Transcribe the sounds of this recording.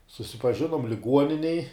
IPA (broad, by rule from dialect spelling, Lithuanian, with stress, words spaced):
sʊsʲɪpɐˈʒʲɪnuɔm lʲɪˈɡuɔnʲɪnʲɛj